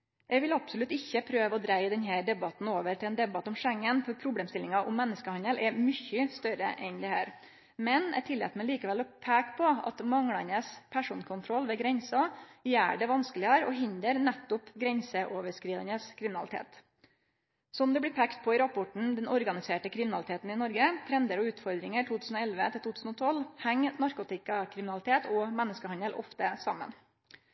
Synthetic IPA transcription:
ʔɛʋɪlɑpsɔlʉt̪ːɪçːəpʰɾøːʋəɔd̪ɾæɪd̪ɛnɦæːɾɖ̪ɛbɑt̪n̩oːʋəɾʰɪlɛːnd̪ɛbɑt̪ːɔmʂɛŋːənfɔɾpʰɾʊbleːmst̪ɪlɪŋɑʔʊmːɛnːəskəhɑnəlʔɛɾmʏçːəst̪œɾə̰ʔɛnd̪ɛhæːɾ | mɛnɛ̰t̪ʰɪlḛːt̪mɛliːkəʋɛlɔpʰækpʰɔɑ̰t̪mɑŋɽɑnəspʰæʂuːnkʰʊnt̪ʰɾɔlʋɛɡɾɛnsɑjæːɖɛʋɑnskəlɪɑɾɔ̰ɦɪnd̪əɾnɛt̪ːʊpɡɾɛnsəʔoːʋəʂkɾiːd̪ənəskʰɾɪmɪnɑlɪt̪ʰḛːt̪ | sɔmd̪ɛblɪːpʰækt̪̚pʰɔɪɾɑpʊʈɳ̩d̪ɛnɔɾɡɑnɪseːʈəkʰɾɪmnɑlɪt̪ʰeːt̪n̩ɪnɔɾɡət̪ʰɾɛnd̪əɾɔʉːt̪fɔɾd̪ɾɪŋəʈʰuːt̪ʉːsn̩ɔɛlʋət̪ʰɪlt̪uːt̪ʰʉːsn̩ɔt̪ʰɔlhæŋnɑɾkʊt̪ɪkɑkʰɾɪmɪnɑlɪt̪ʰeːt̪ɔmɛnːəskəhɑnd̪əlʔɔ̰ft̪əsɑmːə̰n

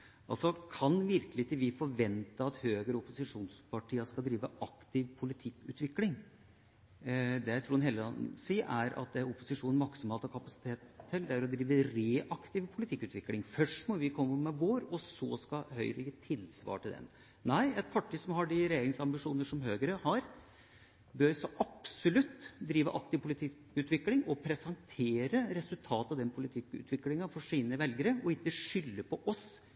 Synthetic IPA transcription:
ʔɑlsɔkʰɑnʋɪɾkəlɪt̪ɪʋɪfɔɾʋɛnt̪əɑt̪høːɡəɾəɔpʊsɪʂuːnspɑʈʰiːəskɑld̪ɾiːʋəʔɑkt̪ɪʋpʰʊlɪt̪ʰɪkːʉ̰ːt̪ʋɪklɪŋ | d̪ɛt̪ʰɾuːɾɑnheːləɑnsiːʔæɾɑ̰t̪̚d̪ɛɾʊpːʊsɪʂuːnn̩mɑksɔmhɑːlt̪ɔkʰɑpɑsɪ̥t̪ʰeːt̪ʰːɪld̪æɾɔd̪ɾiːʋəɾeːʔɑkt̪ɪʋpʰʊlɪt̪ʰɪkːʉːt̪ʋɪkːlɪŋfœʂʈmɔʋɪkʰɔmːəmɛʋoːɾɔsɔskɑhœ̰ʏɾəjiːt̪ʰɪlsʋɑ̰ːʈɪld̪ɛ̰n | næɪɛt̪̚pʰɑʈʰɪsɔmhɑɖɪɾɛjeːɾɪŋsɑmbɪʂuːnəʂɔmhøːɡəɾəhɑɾ | bøːɾsɔʔɑpsʊlʉt̪ːd̪ɾiːʋəʔɑk̚t̪ɪʋpʰʊlɪt̪ʰɪkː | ʉːt̪ʋɪklɪŋɔpʰɾɛsɑŋt̪ʰeːɾəɾɛsʉlt̪ʰɑːt̪ɑʋd̪ɛnpʰʊlɪt̪ʰɪkːʉ̰ːt̪ʰʋɪklɪŋɑfɔʂiːnəʋɛlɡəɾəɔɪt̪ːəʂʏlːəpʰɔʔɔs

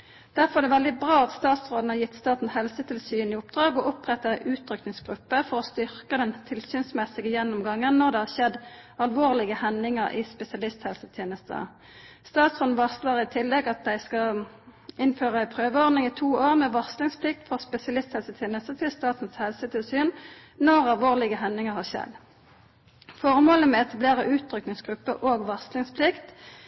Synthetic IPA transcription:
d̪̥æʁfɔʁɛd̪ɛʋɛld̪ɪbʁɑːɑt̪st̪ɑːt̪sʁoːd̪n̩hɑʁjɪt̪ːst̪ɑːt̪n̩shɛlsət̪ʰɪlsyːnɪʊpd̪ʁɑːɡɔʔʊpʁɛt̪ːəʔʉːt̪ʰʁʏknɪŋsɡ̥ʁʉpːəfɔʁɔst̪ʏʁkəd̪ɛnt̪ʰɪlsyːnsmɛsɪɡəjɛnːʊmɡɑŋːənnɔʁd̪ɛhɑʁʃɛd̪ɑlʋoːʁlɪɡəhɛnɪŋəʁɪ̰spɛsɪɑlɪst̪hɛlsət̪ʰjeːnəst̪ə̰ | st̪ɑːt̪sʁoːd̪n̩ʋɑʁsləʁɪt̪ʰɪlːɛɡɑt̪̚d̪æɪskɑ | ɪnføːʁəæɪpʰʁøːʋəɔʁd̪nɪŋɪt̪ʰuːoːʁmɛːʋɔʁslɪŋspʰlɪk̚t̪fɔʁspɛsɪɑlɪst̪hɛlsət̪ʰjeːnəst̪ət̪ʰɪlst̪ɑːt̪n̩shɛlsət̪ʰɪlsyːn | nɔʁɑlʋoːʁlɪɡəɦɛnːɪŋəʁhɑːʃɛ̰d̪ | fɔʁmoːləmɛɛt̪ʰɑbleːʁəʔʉːt̪ʰʁʏknɪŋsɡʁʉpːə̰ʔoːɡʋɑʁsklɪŋspʰlɪkt̪

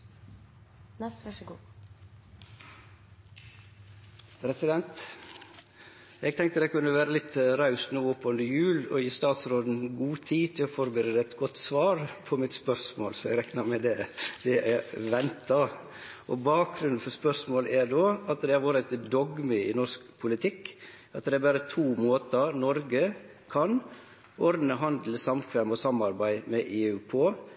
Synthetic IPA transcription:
pʰɾɛsɪd̪ɛnt̪ | ɛɡ̚t̪ʰɛŋkt̪əd̪ɛɪkʉnːəʋæːɾəlɪt̪ɾɑʉst̪nuːɔpːɔnd̪əjʉːlɔ̰jiːst̪ɑːt̪sɾoːd̪n̩ɡuːt̪ʰiːt̪ʰɪlɔfɔɾbəɾeːd̪əɛt̪ɡɔt̪ːsʋɑːɾpʰɔmɪt̪spœɾsmo̰ːlsɔæɡɾɛknɑɾmɛd̪ɛd̪̥ɛʔæʋɛnt̪ɑ | ʔɔbɑːk̚ɡɾʉnfɔɾspœsmoːlæɾdoːɑt̪d̪ɛhɑɾʋoːɾəɛt̪d̪ɔɡmɪɪnɔɾskpʰʊlɪt̪ʰɪkː | ɑt̪d̪ɛæbæːɾət̪ʰuːmoːt̪ɑnɔɾɡə | kʰɑn | ɔɾd̪n̩əɦɑnd̪l̩əsɑmkʰʋæːmɔsɑmɑɾbæɪmɛʔeːʉːpʰoː

